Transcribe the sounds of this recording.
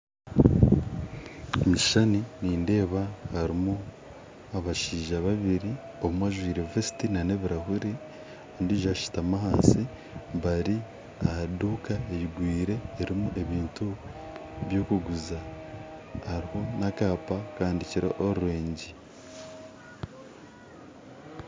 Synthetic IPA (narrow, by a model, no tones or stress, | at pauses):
omuʃi̥ʃaniniːnde̞ːβahaɾimu | aβaʃiːʒaβaβiɾi | oβumwaʒwiːɾevesi̥tinane̞βiɾahuɾi | ondiʒaʃi̥tamaɦaːnsi | βaɾi | aaduːkaeβiɡwiːɾe̞ːɾimuʔe̞βiːntu | βjo̞ːkuɡuza | haɾiho̞nakaːpakaːndiciɾḛʔoɾuɾeːɲɟi